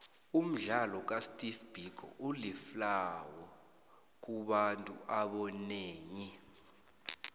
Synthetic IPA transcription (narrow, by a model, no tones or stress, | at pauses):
um̩ɮalɔk̬astʼifb̥ʱik̬ʰʼɔ̰ʔuliflawɔ | k̬uɓantʼuʔaɓɔneːŋi